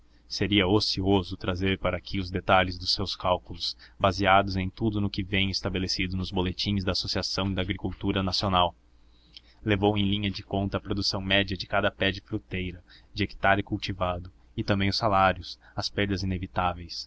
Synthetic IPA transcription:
seɾiɐosiozʊt̪ɾazeɾpaɾɐakʰɪʊzd̪et̪aʎɪzd̪ʊsːewskawkulʊsbaziad̪ʊzẽj̃t̪ud̪ʊnʊkɪvẽj̃ɪst̪abelesid̪ʊnʊzbolet͡ʃĩzd̪ɐaːsosiasɐ̃w̃ɪd̪aːɡɾikuwt̪uɾɐnasionaw | levowẽj̃lĩɲɐd͡ʒɪkõnt̪ɐːpɾod̪usɐ̃w̃mɛd͡ʒɐd͡ʒɪkad̪ɐpɛd͡ʒɪfɾut̪ejɾɐd͡ʒɪeki̥t̪aɾɪkuwt͡ʃivad̪ʊ | ɪt̪ɐ̃mbẽj̃ʊsalaɾjʊsɐspeɾd̪ɐzinevit̪avejs

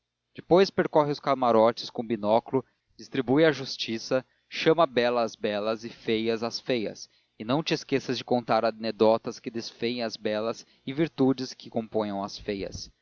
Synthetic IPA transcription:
d͡ʒɪpojspeɾkɔɦɪʊskamaɾɔt͡ʃɪ̥skõbinɔklʊ | d͡ʒist̪ɾibujɐʒust͡ʃisɐ | ʃɐ̃mɐbɛlɐːzbɛlɐzɪfejɐzɐsfejɐ̰s | ɪnɐ̃w̃t͡ʃɪeskesɐzd͡ʒɪkõnt̪aɾɐned̪ɔt̪ɐskɪd̪esfẽj̃ɐzbɛlɐz | ɪviɾt̪ud͡ʒɪskɪkõmpõj̃ɐ̃w̃ɐsfejɐ̰s

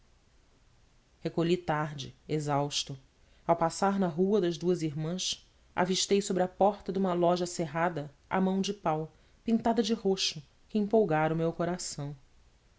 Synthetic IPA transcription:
hekoʎit̪aɾd͡ʒɪ̰ezawʃt̪ʊ | awpasaɾnɐɦuɐd̪ɐʒd̪uɐziɾmɐ̃s | a̰viʃt̪ejsobɾɪɐpɔɾt̪ɐd̪ũmɐlɔʒɐseɦad̪ɐ | a̰mɐ̃w̃d͡ʒɪpaw | pĩnt̪ad̪ɐd͡ʒɪɦoʃʊ | kɪĩmpowɡaɾʊmewkoɾasɐ̃w̃

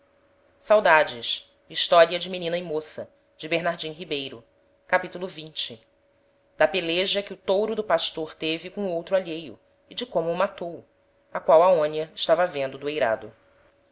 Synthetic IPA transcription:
sawd̪ad͡ʒɪʃ | iʃt̪ɔɾiɐd͡ʒɪminĩnɐɪmosɐ | d͡ʒɪbeɾnaɾd͡ʒĩɦibejɾʊ | kapit̪ulʊvĩnt͡ʃɪ | d̪ɐpeleʒɐkɪʊt̪owɾʊd̪ʊpaʃt̪oɾt̪evɪkõowt̪ɾʊaʎejʊ̰ | ɪd͡ʒɪkõmʊːmat̪ow | ɐkwawɐõniɐɪʃt̪avɐvẽnd̪ʊd̪ʊejɾa̰d̪ʊ

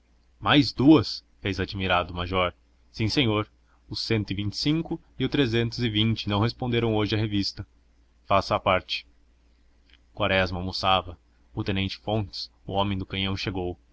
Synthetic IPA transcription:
majzd̪uɐs | fejzad͡ʒimiɾad̪ʊmaʒɔɾ | sĩsẽɲoɾ | ʊsẽnt̪ʊɪvĩnt͡ʃɪ̥sĩŋkʊ | iʊt̪ɾezẽnt̪ʊzɪvĩnt͡ʃɪnɐ̃w̃ɦespõnd̪eɾɐ̃w̃oʒɪɐɦevist̪ɐ | fasɐːpaɾt͡ʃɪ̥ | kwaɾɛzmɐmusavɐ | ʊt̪ẽnẽnt͡ʃɪ̥fõnt͡ʃ̪ɪ̥s | ʊõmẽj̃d̪ʊkɐ̃j̃ɐ̃w̃ʃeɡow

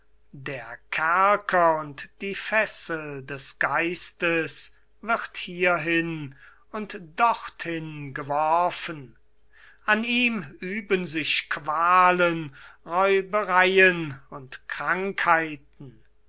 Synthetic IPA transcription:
deːɐkʰæɐkʰɐʊntd̥iːfɛsəldɛsɡ̥aɪstəs | vɪʁthiːɐɦɪn | ʊntd̥ɔχthɪnɡəvɔʁɐfən | ʔaniːmyːbənzɪʃkv̥aːlənʁɔʏbəʁajənʊntkʁ̥aŋkhaɪtn̩

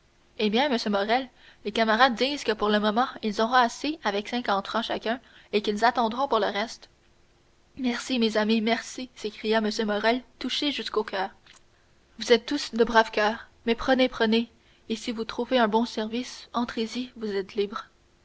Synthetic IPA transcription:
ebjɛ̃məsjømɔʁɛl | lekamaʁad̪̚ːiːzkəpuʁləmɔmɑ̃ilzɔʁɔ̃aseavɛksɛ̃kɑ̃t̪fχɑ̃ʃakʲœ̃ekilzat̪ɑ̃d̪ʁɔ̃puʁləʁɛst̪ | mɛʁsimezamimɛʁsisekχijaməsjømɔʁɛlt̪uʃeʒyskokʲʰœːʁ | vuzɛt̪ːusd̪əbʁavkʲœːʁ | mɛpχənepχəneː | sivut̪χuveɛ̃bɔ̃sɛʁvisɑ̃t̪χezivuzɛt̪libʁ

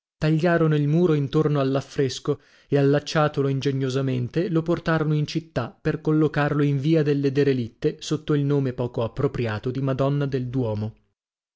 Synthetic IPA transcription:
t̪aʎːaːɾonoilmuːɾoint̪ornoalːafːɾesko | ealːat͡ʃːaːt̪oloind͡ʒeɲːozament̪eloport̪aːɾonoint͡ʃit̪ːaperkolːokarloiɱviːad̪elːed̪eɾelit̪ːesot̪ːoilnoːmepɔːkoapːɾopɾjaːt̪od̪imad̪ɔnːad̪eld̪wɔːmo

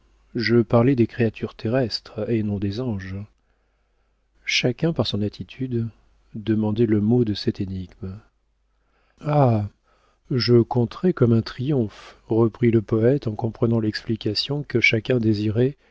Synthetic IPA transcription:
ʒəpaʁlɛd̪ekχeat̪ʰyʁt̪ʰeʁɛst̪χenɔ̃d̪ezɑ̃ʒ | ʃakʲɛ̃paʁsɔ̃nat̪ʰit̪ʰyd̪ | d̪əmɑ̃d̪ɛləmod̪əsɛt̪eniɡm | a | ʒəkɔ̃t̪χɛkɔmɛ̃t̪χijɔ̃fʁəpχiləpɔɛt̪ɑ̃kɔ̃pχənɑ̃lɛksplikasjɔ̃kəʃakʲɛ̃d̪eziʁɛ

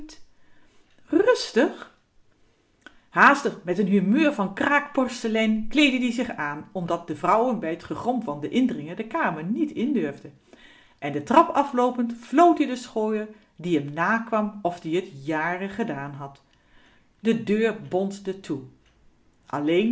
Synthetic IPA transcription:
rɵstəχ | haːstəχmɛtənɦymøːɹvɑnkraːkpɔɹsəlɛnklejdədizɪχaːnɔmdɑt̚dəvrʌwənbɛjətχəχɔmvɑndəʔɪndərɪŋədəkaːməɹnitɪndʏɹvdə | ʔɛndətrɑpɑflowpəntflowtdədəsχoːjəɹ | diəmnaːkʋɑmɔfdiɦətjaːrəχədaːnɦɑt | dədøːɹbɔnzdətʰu | ʔɑlejn

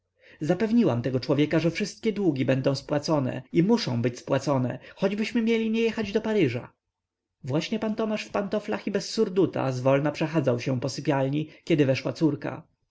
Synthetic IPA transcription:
zapɛvɲiwamt̪ɛɡɔt͡ʂwɔvʲjɛkaʐɛfʂɘst̪̚kʲɛd̪wuɡʲibɛnd̪ɔ̃w̃spwat̪sɔnɛ̰imuʂɔ̰̃w̃bɘt͡ɕspwat̪sɔnɛ̰xɔd͡ʑbɘɕmɘmʲjelʲiɲɛjɛxad͡ʑd̪ɔpaɾɘʐa̰ | vwaɕɲɛpant̪ɔmaʂfpant̪ɔflaxibɛsːuɾd̪ut̪a̰zvɔlnapʂɛxad̪zawɕɛpɔsɘpʲjalɲikʲɛd̪ɘvɛʂwat̪suɾka̰

